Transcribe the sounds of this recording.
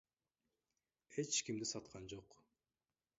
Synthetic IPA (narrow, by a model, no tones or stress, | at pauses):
e̞t͡ʃkimd̪isɑt̪qʰɑnd͡ʒo̞q